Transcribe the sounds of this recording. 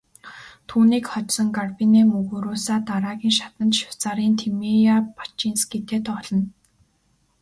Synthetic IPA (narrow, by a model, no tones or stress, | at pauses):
t̪ʰuːniːkχɔt͡ɕsɞ̆ŋɡarpineːmɵɣuːɾoːsaːt̪aɾaːɣʲiːŋʃḁt̪ə̆nt̪ʃɪ̥w̥t͡saɾiːnt̪ʰemijapḁt͡ɕinsɡet̪eːt̪ɔɮɞ̆n